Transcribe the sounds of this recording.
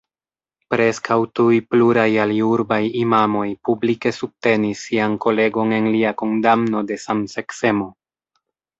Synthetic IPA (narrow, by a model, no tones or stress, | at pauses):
pɾe̞skʰawtujpluɾajaliuɾbajimamo̞jpublike̞sub̚te̞nisːianko̞le̞ɡo̞ne̞nliakondamno̞de̞samse̞kse̞mo̞